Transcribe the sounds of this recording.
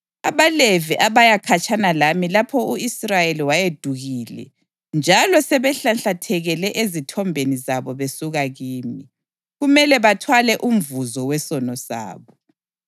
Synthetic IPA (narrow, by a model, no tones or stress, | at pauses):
a̰βaleviʔaβajakʰat͡ʃʼanalamilapʰɔuisrajeliwajed̥ʱuɣiːlɛ̰ | nd͡ʒʱalɔsɛβɛɬanɬatʰɛɣɛlɛʔezitʰɔmbʱenizaβɔβesuɣaɣiːmi | ɣumɛlɛβatʰwalɛʔum̩vuzɔwɛsɔnɔsa̰ːβɔ